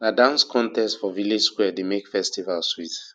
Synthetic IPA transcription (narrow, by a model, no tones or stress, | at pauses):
nadãnskʰɔ̃ntɛstfɔviled͡ʒskwɛdemekfɛstivalswit